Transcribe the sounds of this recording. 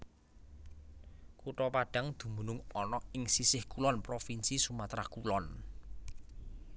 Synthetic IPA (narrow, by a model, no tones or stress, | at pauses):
kuʈɔpaɖ̥a̤ŋd̪̥ṳmbṳnʊŋɔnɔɪŋsisɪhkulɔnpɾofinsisumat̪ɾakulɔn